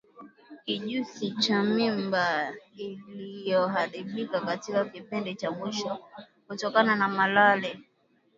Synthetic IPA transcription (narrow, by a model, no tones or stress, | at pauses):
kiʄusit͡ʃamimbailijɔɦaɾiɓikakatikakipindɛt͡ʃamwiʃɔ | kutɔkananamalalɛ